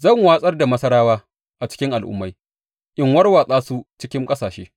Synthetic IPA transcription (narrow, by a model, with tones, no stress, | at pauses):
zɐ˦˨ŋwaː˦sʼɐ˦rda˨mɐ˦sɐ˦ɾaː˦waː˦ | ʔa˨t͡ʃɪ̥˦kʲɪ˦ŋʔa˨lʔʊ̰˦mːa˦j | ʔɪ˦ŋwɐ˦rwaː˨sʼaː˦su˦t͡ʃɪ˦kʲɪ˦ŋkʼɐ˦saː˨ʃḛː˦